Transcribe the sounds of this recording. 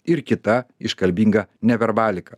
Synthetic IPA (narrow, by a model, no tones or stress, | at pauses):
ɪɾkʲɪt̪ɐɪʃkɐlʲbʲiːŋɡɐnʲɛʋʲɛɾbɑːlʲɪkɐ